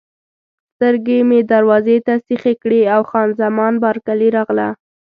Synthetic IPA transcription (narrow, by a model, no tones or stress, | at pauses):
st̪əɾɡemed̪aɾwɑzet̪asixekɽeawxɑnzamɑnbɑɾkaliɾɑɣla